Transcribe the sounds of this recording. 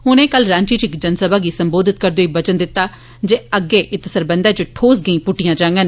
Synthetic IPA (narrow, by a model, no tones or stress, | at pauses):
ɦʊnẽːkəlɾãːɲt͡ʃiːt͡ʃɪkd͡ʒənsəbaːɡiːsəmboːd̪ɪt̪̚kəɾd̪oːiːbət͡ʃənd̪ɪt̪ːaː | d͡ʒeːəɡːeːʔɪt̪səɾbənd̪ɛːt͡ʃʊʈʰoːs̬ɡəĩːpʊʈːɪijãːd͡ʒãːŋɡən